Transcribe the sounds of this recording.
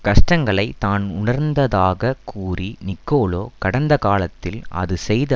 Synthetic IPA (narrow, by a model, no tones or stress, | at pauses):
kɐʂʈɐŋɡɐɭɐɪt̪aːnʊɳɐɾnd̪ɐðaːɣɐkʰuːrinɪkːoːloːkɐɽɐnd̪ɐkaːlɐt̪ːɪlɐ̰ðɯsɛjðɐ